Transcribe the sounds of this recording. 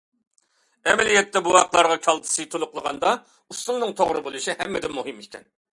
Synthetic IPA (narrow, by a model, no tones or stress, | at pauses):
ɛmɛlijɛt̪ʰːɛbuɑqlˠɑɾʁɑkʲʰɑlˠt̪ʰɨ̥sɨt̪ʰolˠʊqlˠəʁɑ̰nd̪ɑ | uslʊŋnɨŋt̪ʰoʁɾɨbolˠɨʃihɛ̰mːɪd̪ɪnmuɦɨmikʲʰɛ̰n